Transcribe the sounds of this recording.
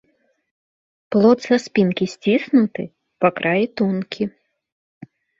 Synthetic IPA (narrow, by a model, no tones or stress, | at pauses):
plˠɔt̪saspʲinkʲisʲt͡sʲisnut̪ɨ̰ | pakɾʔajit̪unkʲʰi